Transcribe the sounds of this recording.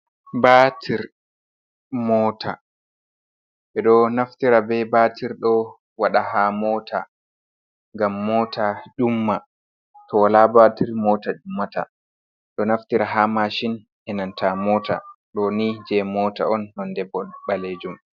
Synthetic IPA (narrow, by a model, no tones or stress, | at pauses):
batʰiɾ | mɔːtʰa̰ | ɓɛɗɔnaftiɾabɛbaːtiɾɗɔ | waɗahamɔtʰa̰ | ŋɡamːɔːtʰad͡ʒumːa | tɔwalabatiɾmɔːtad͡ʒumːata̰ | ɗɔnaftiɾaɦamaʃin | ʔɛnantʰamɔːtʰa̰ɗɔnid͡ʒɛmɔːta̰ɔnːɔndɛbːɔɓaled͡ʒum